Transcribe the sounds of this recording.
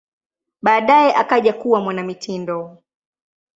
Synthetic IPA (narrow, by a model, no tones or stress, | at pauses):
ɓaːɗajɛʔakaʄakuwamwanamitʰindɔ